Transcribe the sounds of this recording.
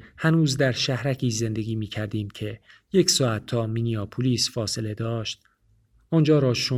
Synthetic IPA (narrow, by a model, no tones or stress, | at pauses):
hænuːzd̪æɾʃæhɾæcʰiːze̞nd̪e̞ɡʲiːmiːcʰæɾd̪iːmcʰe̞je̞csɒːæt̪ʰːɒːminiɒːpʰuliːsfɒːse̞le̞d̪ɒːʃt̪̚ | ʔɔnd͡ʒɒːɾɒːʃo